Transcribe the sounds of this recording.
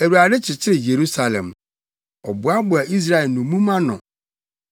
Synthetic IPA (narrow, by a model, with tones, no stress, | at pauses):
æ˨wu˨a˨dɪ˦t͡ɕʰɪ˨t͡ɕʰɪ˦ɾɪ˨je˨ɾu˦sa˨lɛ̰̃˨m | ɔ˨bʊ˨˦a˦bʊ˨a˨ʔi˦s̬ɾa˦ɛ˨lnʊ̃˨mũ˦mã˦nʊ̰̃˨